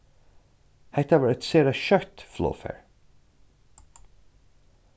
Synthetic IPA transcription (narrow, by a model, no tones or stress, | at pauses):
hæɪt̪ɛʋəɹɛt̪seːɾəʃœɹt̪flo̰ːfḛɹ